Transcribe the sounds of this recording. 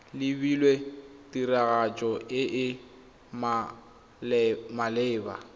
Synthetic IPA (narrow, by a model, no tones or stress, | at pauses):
lɪbilwetʼiraɣat͡ʃʼɔɪʔɪ | ma | malɪːba̰